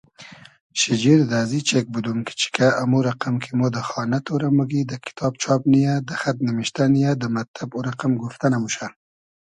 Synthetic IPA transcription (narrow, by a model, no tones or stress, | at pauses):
ʃid͡ʒiɾd̪azit͡ʃek̚bud̪umkə̥t͡ʃi̥kaʔamuɾaqamkʰemod̪əxɑnat̪oɾamuɡid̪əkɪ̥t̪ʰɑb̚t͡ʃʰɑbnijad̪əxat̪̚nimiʃt̪anijad̪əmat̪ːabuɾaqamɡuft̪anamuʃa